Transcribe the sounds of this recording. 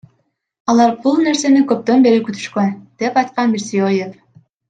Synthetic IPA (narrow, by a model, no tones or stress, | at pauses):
ɑlˠɑɾbulˠne̞ɾse̞nikøp̚t̪ønbeɾikyt̪ʰy̥ʃkønd̪̥e̞pɑjt̪̚qɑnmiɾsijojef